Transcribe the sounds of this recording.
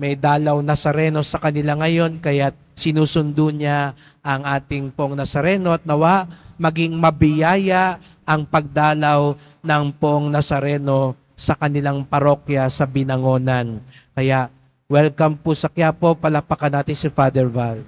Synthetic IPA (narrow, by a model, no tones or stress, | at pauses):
mɛjd̪aːlɐwnɐsɐɾɛːno̞sɐkɐnɪlaŋɐjo̞nkɐjat̪̚sɪnuːsʊnd̪uɲa | ʔɐŋʔaːt̪ɪŋpʊʔoŋnɐsɐɾɛːno̞ʔɐt̪̚nɐwaʔmɐɡiŋmɐbɪjaːjaʔ | ɐŋpɐɡ̚d̪aːlɐw | nɐŋpʊʔoŋnɐsɐɾɛno̞ | sɐkɐnɪlaŋpɐɾo̞kjɐsɐbɪnɐŋo̞ːnankɐjaʔ | wɛlkɐmpʊsɐkjaːpo̞pɐlapɐkɐnaːt̪ɪnsɪfaːd̪ɛɹval